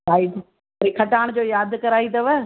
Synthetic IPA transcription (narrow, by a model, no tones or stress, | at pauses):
aːit̪ɐ | ɐɾikʰɐʈaːɽ̃d͡ʑoːjaːd̪kɐɾaːit̪ɐʋə